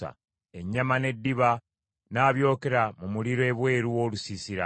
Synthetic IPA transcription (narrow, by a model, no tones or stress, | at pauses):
a̰ | e̞ɲːamane̞dːiβa | naːβjo̞ːke̞ɾamumuliɾoe̞ːβwe̞ːɾuwo̞lusisiɾa̰